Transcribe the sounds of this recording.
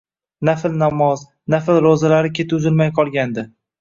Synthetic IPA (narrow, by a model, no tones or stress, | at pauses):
nafɪlnamɒz | nafɪlɾozalaɾɪkʲʰe̞t̪ʊzɪlmajqʰɒlˠɡʲand̪ɪ